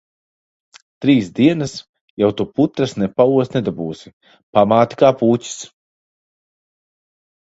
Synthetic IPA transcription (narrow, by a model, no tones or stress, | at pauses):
t̪ɾiːsd̪iɛnas | jawt̪uput̪ɾasnɛpauɔsnɛd̪abuːsi̥ | pamaːt̪i̥kaːpuːcʲi̥s